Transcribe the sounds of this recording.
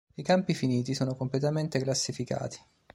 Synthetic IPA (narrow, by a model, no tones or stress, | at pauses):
ikampifiniːt̪̬isoːnokomplet̪ament̪eklasːifika̰ːt̪i̥